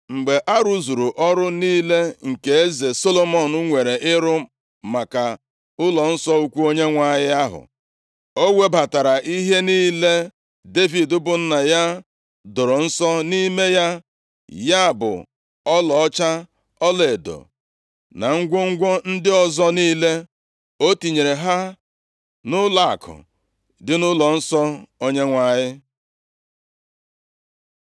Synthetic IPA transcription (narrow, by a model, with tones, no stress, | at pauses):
ŋ͡m̩˨ɡ͡be˨ʔa˦ɾu˦zu˨ɾu˨ʔɔ˦ɾʊ˦niː˦le˦ŋ̩˨ke˨e˦ze˨so˦lo˨mɔ˨n̩˦ŋʷe˨ɾe˨ʔɪ˦ɾʊ˦ | ma˨ka˨ | ʊ˦lɔ˨n̩˦sɔ˦u˦kʷu˦o˦ɲe˦ŋʷa˦jɪ˦a˦ɦʊ̰˨ | o˦wʷe˦ba˨ta˨ɾa˨ʔi˦ɦe˦niː˦le˦ | de˦vi˨dʊ˦bʊ˨n̩˦na˨ja˦ | do˨ɾo˨n̩˦sɔ˦ni˦me˦ja˦ | ja˦˨bʊ̰˨ | ɔ˦lɔ˨ɔ˦t͡ʃa˦ | ɔ˦le˨do̰˨ | na̰˨ŋ̩˦ɡʷo˦ŋ̩˦ɡʷo˦n̩˦dɪ˦ɔ˦zɔ˦niː˦le˦ | o˦ti˨ɲe˨ɾe˨ɦa˦ | nʊ˦la˨kʰʊ̰˨ | dɪ˦nʊ˦lɔ˨n̩˦sɔ˦o˦ɲe˦ŋʷa˨ɲɪ˦